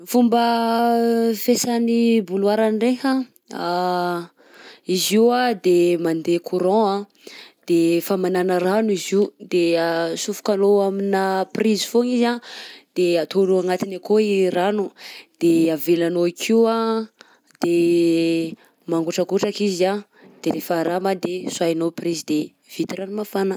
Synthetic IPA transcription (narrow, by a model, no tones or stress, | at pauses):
fumbə | fesanibulwaɾanireɦa | a | iziwad̪emand̪ekʰuɾɔ̃a | d̪̥efamananəɾanuiziud̪esufu̥kanoaminaprizi̥foŋizad̪̥eat̪ʰoluaŋat̪inakoiranud̪̥eavelanoikʰiwa | d̪̥e | maŋɡuʈ͡ʂəkuʈ͡ʂakizia | d̪̥eɾefaɾamad̪eswajnoprizid̪e | v̥it̪iranumafanə